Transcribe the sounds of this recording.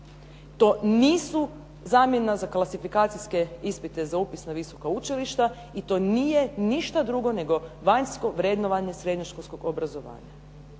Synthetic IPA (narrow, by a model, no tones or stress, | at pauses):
t̪o̞ːniːsu | zaːmje̞nazaklasifikaːt̪siske̞ispit̪e̞zaupisnaʋiso̞kaut͡ʃiliʃt̪a | it̪o̞ːnije̞niʃt̪ad̪ɾuɡo̞ne̞ɡo̞ʋaɲsko̞ʋɾed̪no̞ʋaɲe̞sɾe̞d̪ɲoʃkolʲsko̞ɡobɾazo̞ʋa̰ːɲa